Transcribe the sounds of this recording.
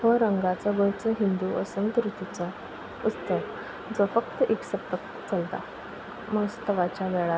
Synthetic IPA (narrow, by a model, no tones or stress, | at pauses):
ɦəɾəŋɡat͡səɡəɾt͡səɦind̪uʔəsənt̪ɾut̪it͡sə | ut͡st̪ə | d͡zɔfəkt̪əʔeksət̪ək | t͡səlt̪a̰ | məst̪əʋat͡ɕjaʋɛɭa